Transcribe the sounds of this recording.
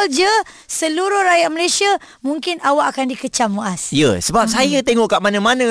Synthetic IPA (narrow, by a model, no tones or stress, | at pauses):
ld͡ʒə | səluɾʊhrajaʔ̚məlesia | muŋkɪnawaʔakandikət͡ʃamuʔasjə̰səbap̚sajət̪eŋɔʔkaʔmanə̃manə̃